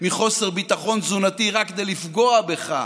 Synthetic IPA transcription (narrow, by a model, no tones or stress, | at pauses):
miχo̞se̞ʁbit̪aχo̞nzunat̪iʁakːed̪ejlifɡo̞abe̞χa̰